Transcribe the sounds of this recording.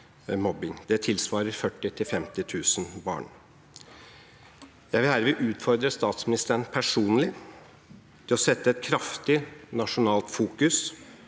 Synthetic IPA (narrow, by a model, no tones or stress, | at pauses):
mɔbɪŋd̪̥ɛt̪ʰɪlsʋɑːɾəɾfœʈːɪt̪ʰɪlfɛmt̪ɪt̪ʰʉːsənbɑ̰ːɳ | jæɪʋɪlhæːɾʋɪʔʉːt̪fɔɾd̪ɾəst̪ɑːt̪smɪnɪst̪əənpʰæʂuːnlɪ | t̪ʰɪlɔsɛt̪ːəɛt̪̚kʰɾɑft̪ɪnɑʂʊnɑːlt̪fuːkʉs